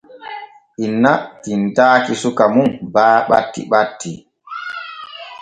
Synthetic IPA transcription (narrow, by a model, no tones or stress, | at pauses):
ʔinːatintaːkisukamunbaːɓa̰tːḭɓatːi